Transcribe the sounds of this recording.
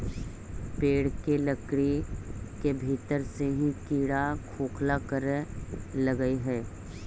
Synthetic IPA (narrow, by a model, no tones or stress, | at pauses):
peːɽ̤keləkɽikebʱiːt̪əɾseɦĩkiːɽakʰoːkʰlakəɾ | ləɡəiɦɛː